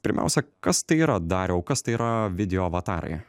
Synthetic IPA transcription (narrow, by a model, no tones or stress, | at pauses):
pʲɪɾʲmʲæ̰ˑʊsʲɛkɐst̪ɐɪiːɾɐd̪ɑːɾʲoɐʊkɐst̪ɐɪːɾɐʋʲɪd̪ʲɛjoːʋɐt̪ɑːɾɐ̰ɪ